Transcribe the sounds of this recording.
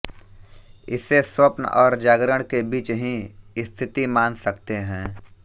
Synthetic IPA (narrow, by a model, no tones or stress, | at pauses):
ɪseswɐpnɔːɾd͡ʒaːɡɾəɽ̃kebiːt͡ʃɦĩɪst̪ʰɪt̪imaːnsɐkt̪eɦɛ̃ː